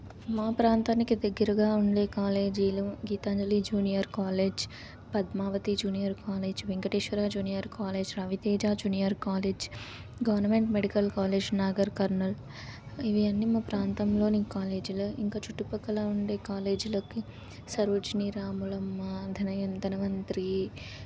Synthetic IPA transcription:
maːpɾaːnt̪aːnikid̪ɐɡːɐɾɐɡaːuɳɖeːkaːle̞ːd͡ʒiːluɡiːt̪aːɲd͡ʒɐliːd͡ʒuːnijɐɾkaːleːd͡ʒ | pɐd̪maːʋɐt̪id͡ʒuːnijɐɾkaːleːd͡ʒʋeŋɡɐʈeːʃʋɐɾaːd͡ʒuːnijɐɾkaːleːd͡ʒɾɐʋit̪eːd͡ʒaːd͡ʒuːnijɐɾkaːleːd͡ʒ | ɡɐʋɐɾnɐmeɳʈmeɽikɐlkaːleːd͡ʒnaːɡɐɾkɐɾnɐl | iʋiɐnːimɐpɾaːnt̪ɐmloːnikaːleːd͡ʒiluiŋkaːt͡ʃuʈːupɐkɐlauɳɖeːkaːleːd͡ʒilɐkːi | sɐɾud͡ʒniɾaːmulɐmːad̪ʱɐnɐjɐnt̪ɐnɐmɐnt̪ɾi

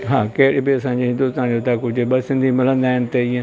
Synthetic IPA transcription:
ɦãːkeːɽebiɐsãːd͡ʒeːɪ̃nd̪uːst̪ãːd͡ʒoːt̪aːkʊd͡ʒbəsɪ̃nd̪ʱimɪlə̃nd̪aːɪnt̪eɪãː

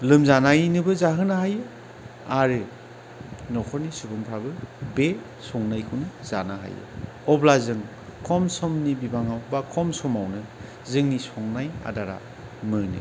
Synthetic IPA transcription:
lɯmzanajnɯbɯzaɦɯnaɦajɯ | aɾɯ | nɔkʰɔɾnisubɯmpʰɾabɯbe | sɔŋnajkʰɯwnɯzanaɦa̰jɯ̰ | ɔblazɯŋ | kʰɔmsɔmnibibaŋawbakʰɔmsɔmawnɯ | zɯŋnisɔŋnaja̰daɾa̰ | mɯnɯ̰

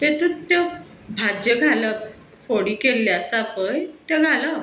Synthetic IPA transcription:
t̪et̪ut̪ə | bʱad͡ʑəɡʱala | foɽikelːeasapəjt̪eɡʱala

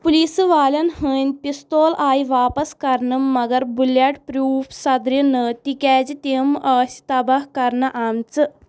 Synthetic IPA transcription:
pulisɨʋaːlʲɐnhəːnʲpist̪oːlaːjʋaːpɐskɐɾnɨmːɐɡɐɾbuljaʈpɾuːfsɐd̪ɾinət̪ikʲɛd͡ʑit̪emaːsʲi̥t̪ɐbakɐɾɳɐʔamt͡sɨ

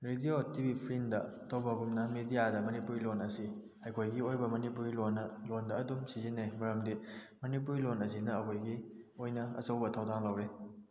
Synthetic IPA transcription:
ɾediotibipʰɾindɐ | tʰowbɐɡumnɐmedijadɐmɐnipuɾilonɐsi | ɐjkʰojɡiojbɐmɐnipuɾilonɐlondɐːdumsizinːemɐɾɐmdimɐnip̬uɾilonɐs̬inɐːkʰojɡiojnɐɐ̰sɐwbɐtʰawdaŋlawɾe

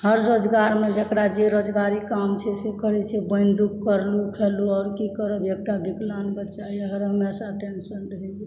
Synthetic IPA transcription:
həɾːod͡ʒɡaɾmed͡ʒekɾad͡ʒeɾod͡ʒɡaɾikamt͡ʃʰɛsekəɾɛt͡ʃʰɛbəjnd̪ukkːəɾlukʰeluɔɾkikəɾəbek̚ʈabiklanbətːt͡ʃajəɦəɾɦəmesaʈensənɖɦeɡi

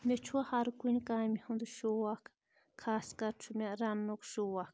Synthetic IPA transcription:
mʲet͡ʃʰuahaɾkunʲkamihũnd̪uʃowakʰ | kʰaskaɾt͡ʃʰumʲaɾanːokʃowak

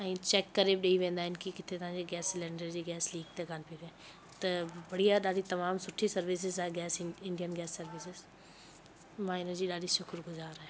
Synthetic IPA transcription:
ɛ̃ːt͡ʃɛkːɐɾebɗeiʋẽːnd̪aːɦɪnkikɪt̪ʰet̪ɐɦãːd͡ʑeɡɛːsɪlẽːɳɖəɾd͡ʑiɡɛːsliːɡ̚t̪eɡaːnpiɡɛ̃ː | t̪ɐbɐɽijaɗaːɽit̪ɐmaːmsʊʈʰisɐɾʋɪs̬ɪzaɦɛɡɛːsɪ̃ɳɖijənɡɛːsːɐɾʋɪsɪz | mãːɪnəd͡ʑiːɗaːɽiʃʊkɾɡʊzaːɾɦɛ̃ː

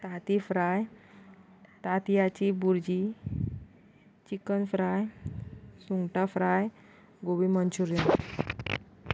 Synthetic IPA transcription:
t̪at̪ifɾaj | t̪at̪ijat͡ɕibuɾd͡ʑi | t͡ɕikənfɾaj | suŋɡʈafɾaj | ɡoʋimənt͡ɕuɾjən

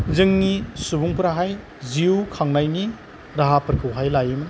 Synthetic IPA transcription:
zɯŋnisubuŋpuɾaɦaj | ziukʰaŋnajni | ɾaɦapɐɾkʰɯwɦajlajɯmn

